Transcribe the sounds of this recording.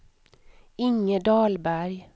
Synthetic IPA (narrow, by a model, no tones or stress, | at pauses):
ɪŋːəd̪ɑːlbæɾj